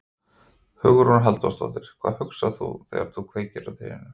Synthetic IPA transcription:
hʏːɣʏɾhunaɦalt̪ɔ̰st̪ɔ̰t̪ɪɾ̥kʰv̥aːðhʏksaθṵθɛ̰ɣa̰ɾt̪θukʰveːjcɪɾat̪eɛ̰nːʏ

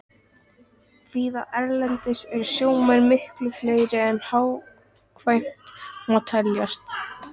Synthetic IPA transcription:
viːðaʔɛɾlɛnt̪ɪsɛɾʏsjoːwmɛnmɪhklʏflœːɥɾɪɛnhaːw | kʰvajm̥t̪mɔt̪ʰɛljast̪

